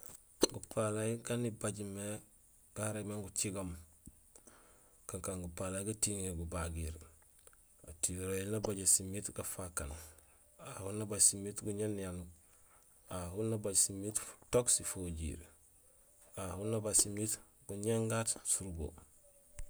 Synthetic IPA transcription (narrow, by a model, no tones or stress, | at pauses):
ɡupʰalajiɡanibaɟme | ɡ̥aɾemaŋɡut͡ʃiɡom | kaŋkaŋɡupalajɡatiŋeɡubaɡiɾ | a̰tiɾojilnabaɟesimitɡafakan | ahunabaɟsimitɡuɲenjanu | ahunabaɟsimittoksifoɟḭːɾ | ahunabasimit | ɡuɲeŋɡatsuɾbo̰